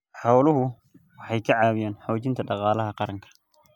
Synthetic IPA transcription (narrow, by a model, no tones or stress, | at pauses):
ħɑwlʊɦʊ | wɑħɑjkʰɐʕɑːwɪjaːnħɔːt͡ʃɪnt̪ʰɐɖɑqɑːlɐɦɐqɑɾɐŋkʰɐ̥